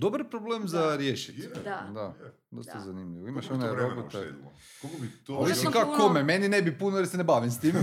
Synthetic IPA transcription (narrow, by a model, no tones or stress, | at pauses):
d̪obaɾpɾobleːmzaɾjeʃi̥t̪d̪a | d̪oszanimʎʲiʋoimaʃoneɾobot̪e | kokoit̪misikakokomemeninebipunoeɾsenebaʋimst̪iːme